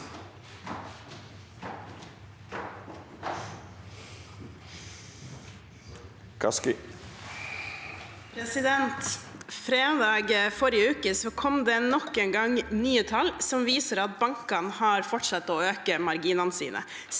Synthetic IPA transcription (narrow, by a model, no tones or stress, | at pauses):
kʰɑ̰skɪ | pʰɾɛsɪd̪ɛnt̪fɾeːd̪ɑːɡfɔɾɪəʉːkəsɔkʰɔmd̪eːnɔkːeːŋɡɑŋnyːət̪ʰɑlsɔmʋiːsəɾɑt̪̚bɑŋkɑnhɑːɾfɔʈʂɑt̪ːoːøːkəmɑɾɡiːnɑnsḭːnʔə̰